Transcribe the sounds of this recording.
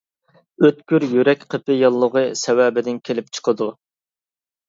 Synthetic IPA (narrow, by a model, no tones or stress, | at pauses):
øt̪̚kʲyɾjyɾɛkʲqʰəpɪjɑlˠːəʁəsɛwɛːbɪd̪ɪnkʲʰelɪp̚t͡ʃʰə̥qʰəd̪u